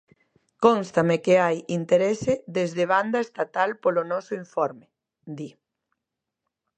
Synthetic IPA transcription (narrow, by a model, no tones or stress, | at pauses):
konst̪amekeajint̪eɾesɪðezðeβ̞and̪ɐest̪at̪alpolonɔsʊiɱfɔɾmɪ | d̪i